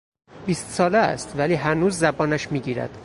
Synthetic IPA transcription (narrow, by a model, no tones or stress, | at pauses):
b̥iːst̪sɒːleæ̰st̪væliːɦænuːzːæbɒːnæʃmiːɟiːɾæ̰d̪̥